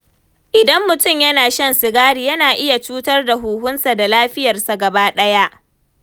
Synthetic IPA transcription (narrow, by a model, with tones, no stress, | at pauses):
ʔɪ˨dɐ˦mːʊ˨tʊ˦˨mjɐ˦naː˨ʃɐ˦nsɪ˨ɡaː˦ɽi˨jɐ˦naː˨ʔɪ˦ja˨t͡ʃuː˦tɐ˦rda˨ɦuː˨ɦʊ˦nsa˨da˨laː˦ɸɪ˦jɐ˨rsa˨ɡɐ˨baː˦ɗɐ˦ja˦ʔ